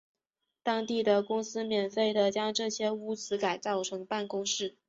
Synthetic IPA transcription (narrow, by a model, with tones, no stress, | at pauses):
t̪ɑ˥ŋt̪i˥˩d̪ə˩kʊ˥ŋsɹ̩˥mjɛ˨˩nfe˥˩ɪd̪ə˨t͡ɕjɑ˥ŋʈ͡ʂɤ˥˩ɕjɛ˥u˧˥t͡sʰɹ̩˧˥ka˨˩ɪt͡sɑ˥˩ʊʈ͡ʂʰɤ˧˥ŋpa˥˩nkʊ˥ŋʂɻ̩˥˩